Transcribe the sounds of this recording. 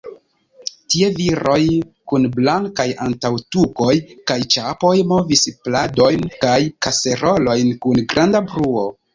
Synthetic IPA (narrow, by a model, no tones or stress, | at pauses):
tie̞viɾo̞jkunblaŋkajantawtuko̞jkajt͡ʃapo̞jmo̞visplado̞jnkajkase̞ɾo̞lo̞jnkunɡɾandabɾuo̞